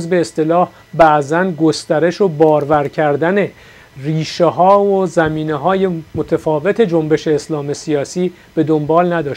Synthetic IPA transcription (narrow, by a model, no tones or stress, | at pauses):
zbeːst̪e̞lɒːh | bæʔzænɡo̞st̪æɾeʃo̞bɒːɾvæɾcʰæɾd̪æne̞ | riːʃeɦɒːozæmiːneɦɒːje̞mot̪ʰæfɒːve̞t̪ʰe̞d͡ʒo̞mbe̞ʃe̞ːslɒːmesiɒːsiː | b̥e̞d̪o̞mbɒːlnæd̪ɒːʃ